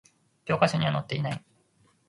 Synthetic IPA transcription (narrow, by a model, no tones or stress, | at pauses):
kʲo̞ːkaɕoɲ̟iβanot̪ːe̞inai